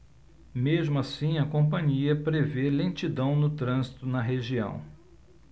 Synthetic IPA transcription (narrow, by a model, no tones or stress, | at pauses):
meʒmʊasĩɐkõpɐ̃ɲiɐpɾevelẽt͡ʃid̪ɐ̃w̃nʊt̪ɾɐ̃zit̪ʊnɐɦeʒiɐ̰̃w̃